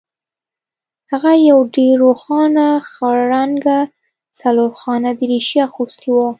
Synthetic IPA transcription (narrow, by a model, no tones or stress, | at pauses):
haɣajawɖeɾːoxɑnaxaɾaŋɡa | saloxɑnad̪əɾeʃjaxust̪iwa